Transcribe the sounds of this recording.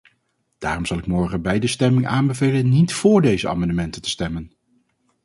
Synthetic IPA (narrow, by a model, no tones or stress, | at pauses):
d̥aːrɔmz̥ɑlˠɪkmɔɹχənbɛjdəstɛmɪŋʔaːnbəvejlənːitfʊːɹdejzəa̰ːmɑndəmɛntəntə̥stɛmən